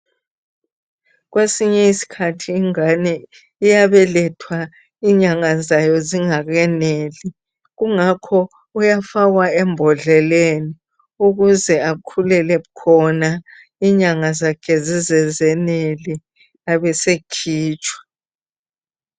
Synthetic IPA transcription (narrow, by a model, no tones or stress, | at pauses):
ɣwesiɲɛisi̥kʰatʰiːŋanɛ | ijaβɛlɛtʰwa | iɲaŋazajɔziŋaɣɛneːli | ɣuŋakʰɔ | ujafaɣwaɛmbʱɔɮɛleni | uɣuzɛakʰulɛlɛukʰɔna | iɲaŋazakʰɛzizɛzɛneli | aβɛsekʰiːt͡ʃʼwḁ